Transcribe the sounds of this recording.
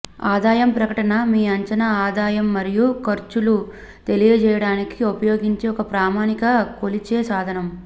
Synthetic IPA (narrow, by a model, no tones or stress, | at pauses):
aːd̪aːjɐmpɾɐkɐʈɐnɐmiːɐɲt͡ʃɐnɐaːd̪aːjɐmːɐɾijukɐɾt͡ʃulu | t̪e̞lijɐt͡ʃɛːjɐɽaːnikiopɐjoːɡiɲt͡ʃe̞ːɔkɐpɾaːmaːnikɐkolit͡ʃeːsaːd̪ʱɐnɐm